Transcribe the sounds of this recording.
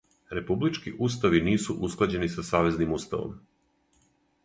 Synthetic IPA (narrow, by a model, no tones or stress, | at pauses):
ɾe̞publit͡ʃkiʔust̪aʋiniːsuʔusklˠad͡ʑe̞nisasaːʋe̞znimust̪a̰ʋo̰m